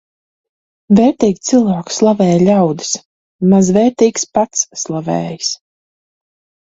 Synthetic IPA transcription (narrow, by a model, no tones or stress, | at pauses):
vɛːɾt̪iːɡʲt̪silˠvaːkslˠavɛːjlʲawd̪ɨs | mazvɛːɾt̪iːkspat̪sːlˠavɛ̰ːjs